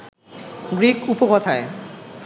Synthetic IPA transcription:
ɡɾikupokɔt̪ʰae

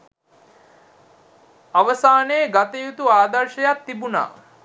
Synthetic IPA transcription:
aʋəsaːneːɡat̪əjut̪uaːd̪ɐɾʃəjat̪ːibuna̰ː

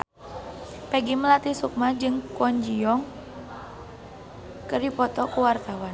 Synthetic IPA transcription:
pɛɡiməlat̪isuk̚mad͡ʒɨŋkɔɲd͡ʒijɔŋ | kərdipɔt̪ɔkuwart̪awan

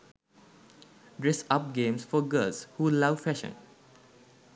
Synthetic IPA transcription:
dɹɛsap̚ɡẽmsfɔɡəlshulawfɛʃə̰̃n

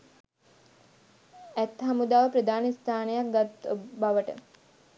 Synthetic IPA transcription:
æt̪ɦamud̪aːʋəpɾəd̪aːnist̪ʰaːnejak̚ɡat̪baʋəʈə̰

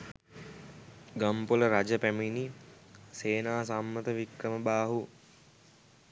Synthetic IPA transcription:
ɡampuləɾad͡ʒəpæminiseːnaːsamːət̪əʋikɾəməbaːɦu

